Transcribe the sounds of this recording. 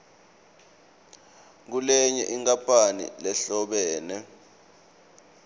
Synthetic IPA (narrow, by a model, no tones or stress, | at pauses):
k̬ulɛɲɛʔiŋkʼapʰʼanḭlɛɬɔɓɛːnɛ